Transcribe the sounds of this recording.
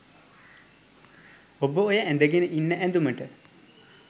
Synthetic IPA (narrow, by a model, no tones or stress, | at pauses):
obəojəʔænd̪əɡenəʔinːəʔænd̪uməʈə